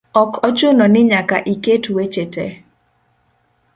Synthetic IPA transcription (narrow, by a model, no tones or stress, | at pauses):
ɔkʰɔt͡ʃʊnɔnɪɲakaʔiketwet͡ʃete